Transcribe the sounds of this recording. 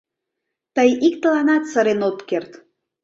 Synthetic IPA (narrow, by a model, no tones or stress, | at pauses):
t̪əjik̚t̪əlɑnɑt̪səɾenot̪kert̪